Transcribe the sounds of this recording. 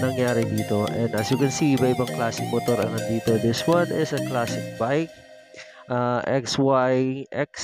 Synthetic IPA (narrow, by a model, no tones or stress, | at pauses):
nɐŋjaːɾɪd̪iːt̪o̞ʔɛ̃nd̪ɐsjukɛnsibɐʔɪbɐŋklaːsɪŋmot̪oɾɐ̰ŋɐnd̪iːt̪od̪ɪswɐ̃nɪsɐklaːsɪŋbajk̚ | ʔaʔɛkswajʔɛks